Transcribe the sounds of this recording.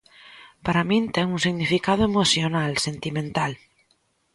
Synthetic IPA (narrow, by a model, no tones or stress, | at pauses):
paɾamĩnt̪eŋunsiɣnifikaðoemoθjonalsent̪imẽnt̪al